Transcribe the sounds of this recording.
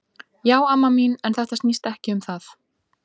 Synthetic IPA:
jaːwamːaminɛnθɛht̪ast̪nist̪ɛhcɪʏmθaθ

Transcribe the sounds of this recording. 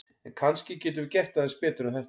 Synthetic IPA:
ɛnkʰanscɪcɛːt̪ʏvɪcɛht̪aθɛspɛːt̪ʏɾaθɛh

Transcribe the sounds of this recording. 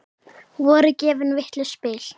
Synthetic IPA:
vɔːɾʏcɛːvɪnvɪht̪lʏspɪːl̥

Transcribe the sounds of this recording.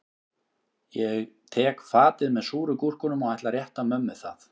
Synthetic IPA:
jɛɣt̪ʰɛːkfaːt̪ɪðmɛðsuːɾʏkur̥kʏnʏmɔɣajht̪laɾjɛht̪amœmːɪðθa̰θ

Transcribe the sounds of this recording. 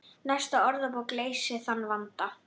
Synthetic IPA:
nɛst̪aɔɾðapawkleːjsɪθanːvant̪a

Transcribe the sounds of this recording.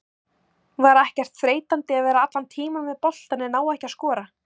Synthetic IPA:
vaɾɛhcɛr̥t̪fɾeːjt̪ant̪ɪaðvɛːɾaat̪lant̪ʰiːmavɛðpɔl̥t̪anɪnaːwɛhcaskɔːɾa

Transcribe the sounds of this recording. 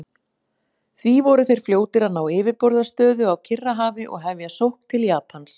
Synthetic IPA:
θvivɔɾʏθejɾ̥fljoːwt̪ɪɾaðnaːwɪːvɪpɔɾðast̪œːðʏawcʰɪrːaɦaːvɪʔɔ̰ɣɦɛvjasowhkt̪ʰɪljaːpans

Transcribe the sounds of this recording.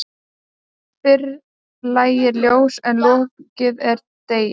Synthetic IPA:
fɪɾ | laːjɪɾljoːwsɛnlɔhkcɪðɛɾ | t̪eːj

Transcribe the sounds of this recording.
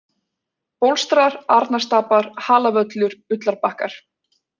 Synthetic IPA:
powlst̪ɾaɾaɾt̪nast̪aːpaɾ̥haːlavœt̪lʏɾʏt̪laɾpahkaɾ̥

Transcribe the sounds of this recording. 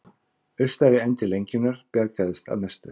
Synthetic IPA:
ʏɥst̪aɾɪɛnt̪ɪlejɲcɪnːaɾ̥pjaɾcaðɪst̪a̰ðnɛst̪ʏ

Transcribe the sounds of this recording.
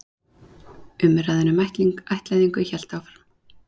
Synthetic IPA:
ʏmɪɾaðɛnɪmajht̪liŋkajht̪lajðiŋkʏçɛl̥t̪awfḁɾ

